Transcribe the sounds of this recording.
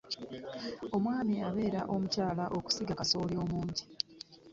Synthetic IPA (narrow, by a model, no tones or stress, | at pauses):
o̞mwaːmiaβe̞ːɾaʔo̞mucaːlaʔo̞ku̥siɡakaso̞ːljo̞ːmuːɲɟi